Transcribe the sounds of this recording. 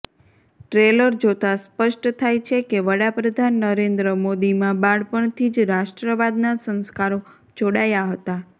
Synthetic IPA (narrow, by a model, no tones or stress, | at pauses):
ʈɾeləɾd͡ʒot̪aspəʃʈt̪ʰajt͡ʃʰekeʋəɽapɾəd̪ʱanːəɾend̪ɾəmod̪imãbãɽpəɳt̪ʰid͡ʒɾaʃʈɾəʋad̪nasə̃nskaɾo | d͡ʒoɽajaɦət̪a